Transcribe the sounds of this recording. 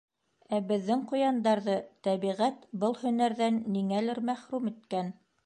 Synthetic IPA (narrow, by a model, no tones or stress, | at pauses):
æbɘ̆ðːɘŋqŭjɑnd̪ɑɾðɤt̪æβiʁæt̪bɤlˠhɵ̆næɾðænːiŋælɘɾmæχɾumɘ̆t̪kæn